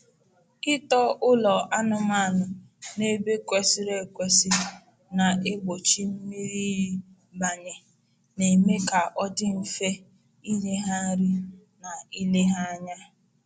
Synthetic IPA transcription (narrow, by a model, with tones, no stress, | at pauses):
kɪ˦tɔ˦ʔʊ˦lɔ˨a˦nʊ˦m˦a˦˨nʊ˨ | ne˦be˦kʷe˦si˦ɾe˨kʷe˨si˦ | na˨e˦ɡ͡bo˨t͡ʃi˦m̩˦mi˦ɾi˦i˦ | ba˨ɲe˨ | ne˨me˦ka˨ʔɔ˦dɪ˦m̩˨fe˦ | i˦ɲe˦ɦa˦ɾɪ˦ | na˨i˦le˦ɦa˦a˦ɲa˦